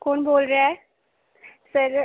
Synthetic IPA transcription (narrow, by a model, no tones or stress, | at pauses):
koːnboːlɾɛ | səɾ